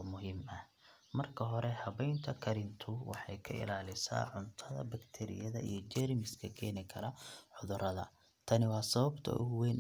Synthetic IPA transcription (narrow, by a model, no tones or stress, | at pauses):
mʊɦiːmɐh | mɐrkʰɐɦɔɾɛhɐβɛjnt̪ʰɐkʰɐɾɪnt̪ʰʊwɑħɑjkʰɐʔɪ̰laːlɪsa̰ːʕʊnt̪ʰɐðɐ̰bɐkt̪ʰɛɾɪ̰jɐðɐ̰ḭjɞt͡ʃɛɾɪmɪskʰɐkʰɛːnɪkʰɐɾɐħʊðʊɾɐðɐ̰ | t̪ʰɐnɪwɑːsɐβɐbt̪ʰɐ̰ʔʊ̰hʊwɛːn